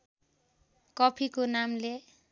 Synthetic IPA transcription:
kʌpʰikonamle

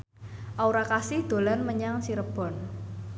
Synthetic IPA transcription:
ʔauɾakasɪhd̪̥o̤lanməɲaŋsiɾəb̥ɔ̤n

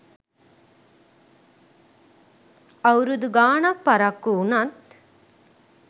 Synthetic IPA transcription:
ɐʋɾud̪uɡaːɳɐk̚pɐɾɐkːuunɐt̪

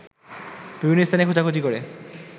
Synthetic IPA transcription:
b̥ibʱinːoest̪ʰanekʰot͡ɕakʰot͡ɕ̪ikoɾe

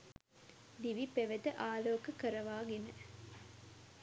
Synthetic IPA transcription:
d̪iʋipeʋet̪əʔaːloːkɐkəɾɐʋaːɡenə

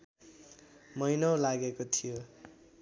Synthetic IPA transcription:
mʌjnʌwlaɡekot̪ʰijo

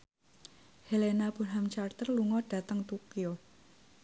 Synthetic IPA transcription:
helenab̥ṳrɦamt͡ʃart̪ərluŋɔɖ̥ä̤t̪əŋt̪ukijo

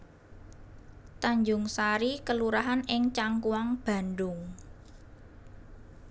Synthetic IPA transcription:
t̪aɲd͡ʒʊŋsaɾikəluɾaɦanɪŋt͡ʃaŋkuwaŋb̥a̤nɖʊŋ

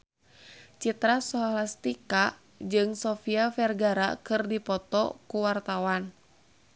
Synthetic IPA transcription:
t͡ʃit̪ɾasɔɦalast̪ika | d͡ʒɨŋsɔfiafɛrɡaɾa̰kɨrdipɔt̪ɔ̰kuwart̪awan

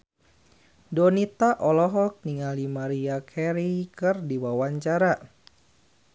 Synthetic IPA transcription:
dɔnit̪aʔɔlɔɦɔk̚niŋalimaɾiakʰɛɾikɨrdiwawaɲt͡ʃaɾa

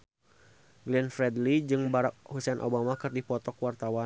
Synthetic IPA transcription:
ɡliɛnfɾɛdlid͡ʒɨŋbaɾak̚husɛnʔo̰bamakɨrdipɔt̪ɔkwart̪awa

